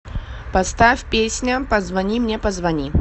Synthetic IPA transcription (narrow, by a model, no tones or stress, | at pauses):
pɐst̪afʲpʲesʲnʲəpɐzvɐnʲimnʲepəzvɐnʲi